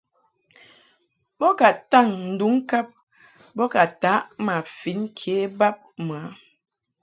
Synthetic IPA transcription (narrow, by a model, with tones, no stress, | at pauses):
bɔ˦ka˨ta˦˨ŋn̩˨du˨˦ŋ̩˦ka˦p̚ | bɔ˦ka˨ta˨˦ʔma˨fi˨˦nkʰe˨˦ba˦p̚mə˨a˨˦